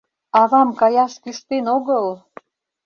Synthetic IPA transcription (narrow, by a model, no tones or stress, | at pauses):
ɑβɑmkɑjɑʃkyʃt̪enoɣə̆l